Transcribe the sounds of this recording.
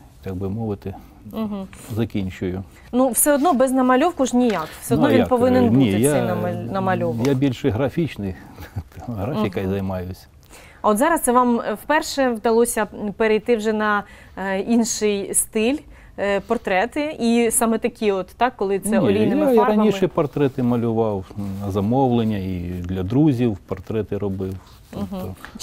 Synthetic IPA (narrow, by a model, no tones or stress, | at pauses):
t̪aɡ̚bɪmɔʋɪt̪ɪ | ɦ̩zɐkʲinʲt͡ʃʊjʊ | nuwsɛɔd̪nɔbɛznɐmɐlʲɔwkʊʒnʲijɑkwsʲɛɔd̪nɔʋjʲinpɔʋɪnɪnnʲij̪aɛjnmɐnɐmɐlʲɔʋjabʲilʲʃɛjɦɾɐfʲit͡ʃnɪj̪ | ɦɾafʲikɐjzɐjmɑjʊsʲ | oɔt̪zɑɾɐst̪sɛʋɑmwpɛrʃɛʋd̪ɐlˠɔsʲɐpeɾejt̪ɪwʒɛnɐ | inʃɪjst̪ɪlʲ | pɔrt̪ɾɛt̪ɪisɑmɛt̪ɐkʲiɔt̪ːɑkːɔlˠɪt̪sɛnʲɔlʲiaiɾɐnʲiʃɛpɔrt̪ɾɛt̪ɪmɐlʲʊʋɑwnɐzɐmɔwlˠenʲːɐid̪lʲɐd̪ɾuzʲiwpɔrt̪ɾɛt̪ɪɾɔbɪw | t̪ɔpɦ̪ɔ